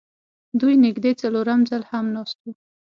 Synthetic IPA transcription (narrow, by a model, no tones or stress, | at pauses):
d̪ujnɪɡd̪et͡saloɾamzalhamnɑst̪u